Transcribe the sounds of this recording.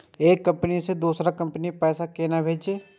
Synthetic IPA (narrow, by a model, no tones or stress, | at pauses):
eːkːɐ̃mpənised̪uːsɾakɐ̃mpənipɛːsakeːnabʱeːd͡ʒeː